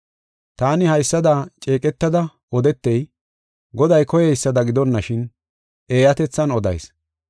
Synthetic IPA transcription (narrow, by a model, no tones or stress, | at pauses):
t̪aːnɪhɐjsːɐd̪at͡ʃʼe̞ːkʼɛt̪ːɐd̪ɐ | ɔd̪ɛt̪ːɛj | ɡɔd̪ɐjkɔjɛjsːɐd̪ɐɡɪd̪ɔnːɐʃɪn | ʔe̞ːjɐt̪ɛt͡sːɐnɔd̪ɐ̰js